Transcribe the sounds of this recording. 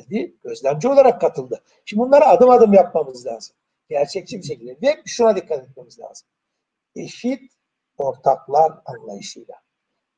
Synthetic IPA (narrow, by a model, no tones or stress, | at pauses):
d̪iɟ̥ø̞zlʲæmd͡ʒio̞lˠaɾakːat̪ʰɯlˠd̪ɯ | ʃimbunlˠaɾaaːd̪ɯmad̪ɯmjap̚mamɯzlʲa̰ːz̥ɯm | ɟ̥æɾt͡ʃʰɛc̚t͡ʃʰibiʃ̬ecʰilʲd̪d̪eʃunad̪ikʰːat̪ʰɛt̪̚mamɯzlʲa̰ːzɯm | e̞ʃit̪ | o̞ɾt̪ʰaklˠaɾanlˠa̰jɯʃɯjlˠa